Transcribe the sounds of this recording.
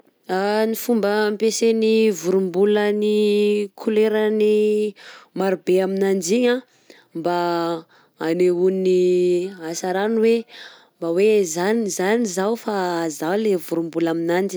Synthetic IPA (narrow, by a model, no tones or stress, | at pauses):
anifumbəmpesenivuɾumbulənikʰuleɾəni | maɾubeaminand͡ʒiɲa | mbaː | neuniasaɾanwe | mbawezanizanizawfazalevuɾumbulaminand͡ʒi̥